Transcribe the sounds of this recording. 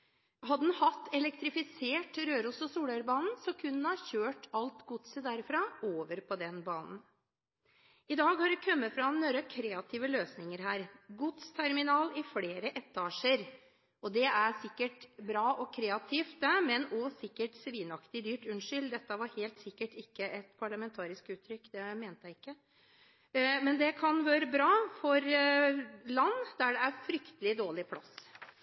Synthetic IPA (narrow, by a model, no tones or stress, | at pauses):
hɑd̪ənhɑt̪ːɛlɛkt̪ɾɪfɪseːʈɾøːɾusɔsuːlœɾbɑːnn̩sɔkʰʉnːənəhɑɾçøːʈɑlt̪ɡʊt̪səd̪æɾfɾɑoːʋəɾpʰɔd̪ɛnbɑːnn̩ | ɪd̪ɑːɡhɑɾɛkʰœmːəfɾɑnøɾəkʰɾeːɑt̪ʰiːʋəløːsnɪŋəɾɦæːɾɡʊt̪st̪ʰæɾmɪnɑːlɪfleːɾəʔɛt̪ʰːɑːʂəɾ | ɔd̪ɛæɾsɪkːəʈbɾɑːʔɔkʰɾeːɑt̪ʰiːft̪əmɛnɔsɪkːəʈsʋiːnɑkt̪ɪd̪yːʈʉnʂʏld̪ɛt̪ːəʋɑɾheːlt̪sɪkːəʈɪkːəʔɛt̪pʰɑɭəmɛnt̪ʰɑːɾɪskʉːt̪ʰːɾʏkːd̪ɛmeːnt̪əjæɪɪkːə | mɛnd̪ɛkʰɑnʋøːɾəbɾɑːfɔɾ | lɑnːd̪æɖɛæɾfɾʏkt̪əlɪd̪oːɭɪpʰlɑs